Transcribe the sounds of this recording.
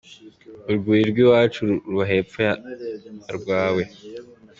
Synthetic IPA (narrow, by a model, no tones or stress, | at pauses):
uɾɡuiɾɡwiwaːt͡ʃuɾuɾβaɦepfeja | ɾɡwaːwe